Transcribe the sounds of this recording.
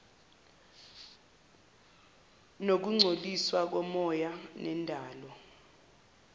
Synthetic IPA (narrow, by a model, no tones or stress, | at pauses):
nok̬uŋ͡ǀʱoliswak̬ɔmɔjanɛndʱaːlɔ